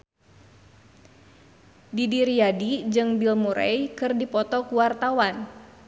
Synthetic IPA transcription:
didiɾiadid͡ʒɨŋbilmuɾɛ̰jkɨrdipɔt̪ɔkuwart̪awan

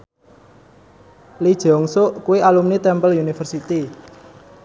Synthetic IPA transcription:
lid̥ʒ̥ɔŋsʊʔkuwiʔalumnit̪ɛmpəlunifərsit̪i

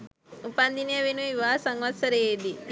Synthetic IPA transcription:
upand̪inijəʋenuiʋaːsaŋʋɐt̪səɾeed̪i

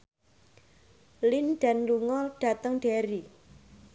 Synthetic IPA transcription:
linɖ̥anluŋɔlɖ̥a̤t̪əŋɖ̥eɾi

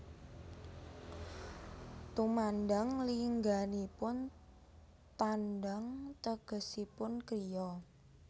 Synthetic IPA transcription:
t̪umandaŋliŋɡanipʊn | t̪anɖaŋt̪əɡ̥ə̤sipʊnkɾijɔ

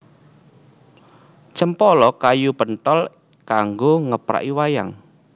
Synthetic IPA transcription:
t͡ʃəmpɔlɔkajupənt̪ɔl | kaŋɡoŋəpɾa̰ʔiwaja̰ŋ

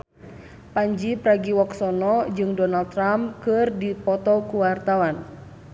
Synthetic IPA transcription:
paɲd͡ʒipɾaɡiwɔksɔnɔd͡ʒɨŋdɔnald̚t̪ːɾamkɨrdipɔt̪ɔkuwart̪awan

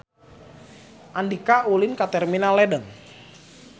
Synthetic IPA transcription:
ʔandikaulɪnkat̪ɛrminalɛdəŋ

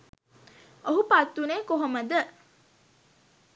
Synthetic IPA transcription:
oɦupat̪ːuneːkoɦoməd̪ə

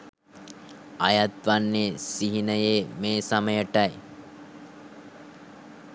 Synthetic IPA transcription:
ɐjat̪ʋanːesiɦinəjeːmeːsaməjəʈɐj

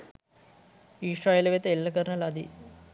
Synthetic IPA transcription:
iːʂraːjelɐʋet̪ːɐelːɐkɐɾnɐlɐd̪ḭ

